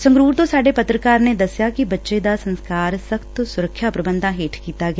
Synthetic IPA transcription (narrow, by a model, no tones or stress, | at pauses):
sɐ̃ŋɡɾuːɾt̪osaːɖepɐt̪ɾəkaːɾned̪ɐsjakibɐtːʃed̪asɐ̃nskaːɾsɐkt̪sʊɾəkʰʃjapɾɐbə̃nd̪ʱãɦeːʈʰkiːt̪aɡa